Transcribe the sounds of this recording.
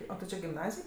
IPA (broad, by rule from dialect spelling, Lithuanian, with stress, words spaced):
ˈoː tʲɪ ˈt͡ʃʲɪ ɡʲɪmˈnɑːzʲɪj